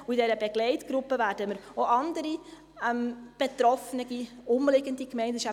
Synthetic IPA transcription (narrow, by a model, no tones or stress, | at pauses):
uidɛɾəbɛɡ̥lɛɪtɡ̥ɾʊpːəvæːɾdəməɾoʔɑnd̪əɾi | ɛmb̥et̪ɾɔfənəɡiʊmlɪɡəndikmɛɪndəʃa